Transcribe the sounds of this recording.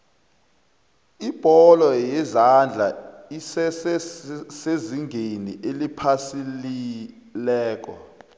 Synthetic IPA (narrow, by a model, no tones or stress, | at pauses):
ib̥ʱɔlɔjɛzand͡ɮʱa | isɛs | seziŋɡʱenḭʔelipʰasili | lɛːk̬ɔ̰